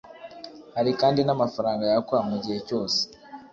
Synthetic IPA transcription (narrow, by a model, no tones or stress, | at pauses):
haɾikaːndinamafaɾaːŋɡajakoɾamuɟihe̞co̞ːse̥